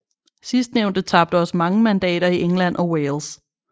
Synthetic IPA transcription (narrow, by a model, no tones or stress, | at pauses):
sisd̥neʊ̰nd̥ət͡sʰɑ̈b̥̚d̥əɒ̽smɑ̈ŋəmænd̥ɛ̰ːɾ̥ɐiʔeŋlæn̰ʔɒ̽weːls